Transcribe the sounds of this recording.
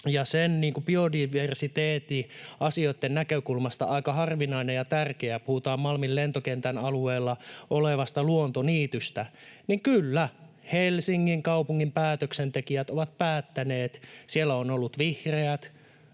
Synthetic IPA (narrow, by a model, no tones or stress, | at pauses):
jɑsenniːŋkubiodiʋersit̪eːt̪iɑsioit̪ːennækøkulmɑst̪ɑ̰ʔɑikɑhɑrʋinɑinejjɑt̪ærkeæpuhut̪ɑːmmɑlmillent̪okent̪ænɑlueːlːɑʔoleʋɑst̪ɑluont̪oniːt̪yst̪æniŋkylːæ | helsiŋːiŋkɑupuŋːimpæːt̪øksent̪ekiæt̪oʋɑt̪̚pæːt̪ːæneːt̪sielːæonolːut̪ʋihreæt̪